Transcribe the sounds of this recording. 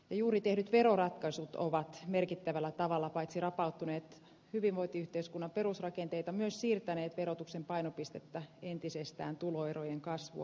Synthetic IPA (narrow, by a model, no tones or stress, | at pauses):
jɑjuːrit̪ehnyt̪ʋerorɑt̪kɑsut̪o̰ʋɑt̪merkit̪ːæʋælːæt̪ɑʋɑlːɑpɑit̪sirɑpɑut̪ːuneːt̪ | hyʋiʋʋoit̪iyht̪eiskunːɑmperusrɑkent̪eit̪ɑmyøssiːrt̪æneːt̪ʋerot̪uksempɑinopist̪et̪ːæent̪isest̪æ̰ːnt̪uloerojeŋkɑsʋṵɑ̰